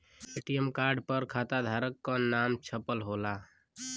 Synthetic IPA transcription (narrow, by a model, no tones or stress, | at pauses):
eʈijəmkaɾɖpəɾkʰat̪ad̪ʱaɾəkːɔnamt͡ʃʰəpəlɦola